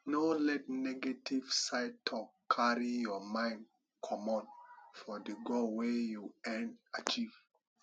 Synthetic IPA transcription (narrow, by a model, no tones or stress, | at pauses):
nolɛtnɛɡetiv̥saɪtʰɔkkʰːaɹijɔmãɪ̃nd | kʰɔmɔ̃nfɔdəɡolwejuɛ̃nat͡ʃiv̥